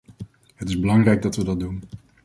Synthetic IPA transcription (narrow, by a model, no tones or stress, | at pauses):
ɦətɪzbəlɑŋrɛjɡ̚dɑtʋədɑt̚dun